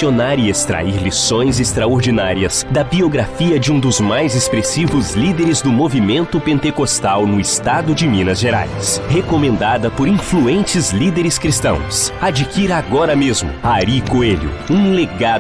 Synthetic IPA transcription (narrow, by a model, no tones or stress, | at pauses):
onaɾɪest̪ɾa̰iɾlisõj̃zest̪ɾaoɾd͡ʒinaɾiɐsd̪ɐbioɡɾafiɐd͡ʒɪũd̪ʊzmajzespɾesivʊzlid̪eɾɪzd̪ʊmovimẽnt̪ʊpẽnt̪ekost̪awnʊɪst̪ad̪ʊd͡ʒɪmĩnɐzʒeɾa̰jshekomẽnd̪ad̪ɐpoɾĩfluẽnt͡ʃɪzlid̪eɾɪskɾist̪ɐ̰̃w̃sad͡ʒikiɾaɡɔɾɐmezmʊ̰aɾikoelʊ̰ũleɡa